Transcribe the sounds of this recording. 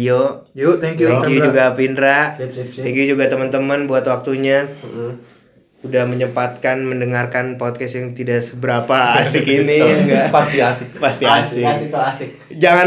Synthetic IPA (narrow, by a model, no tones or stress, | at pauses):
jo | jut̪ɛŋkjuɛŋkjud͡ʒuɡapindɾaʔ̪ɛŋkjud͡ʒuɡat̪əmənt̪əmənbuat̪wak̚t̪uɲa | udahməɲəpat̪̚kanməndəŋarkanpot̪̚kɛst̪jaŋt̪idaʔsəbəɾapaːsɪkiniŋɡapast̪iasɪkpast̪iasɪkɪasɪk̚ | d͡ʒaŋa